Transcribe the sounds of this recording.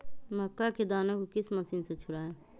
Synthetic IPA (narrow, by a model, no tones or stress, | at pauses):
məkːaked̪aːnakokɪsmɐsiːnset͡ʃʰʊɽaːe